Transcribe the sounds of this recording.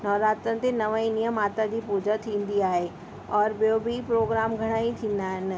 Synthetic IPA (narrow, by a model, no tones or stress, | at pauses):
nɔːɾaːt̪ɾənɪ̆t̪enɐʋaĩnijəmaːt̪ad͡ʑiːpuːd͡ʑət̪ʰĩːnd̪iaːɦe | ɔːɾɓijobʱipɾoːɡɾaːmɡʱɐɽ̃aːĩt̪ʰĩːnd̪aːɦɪn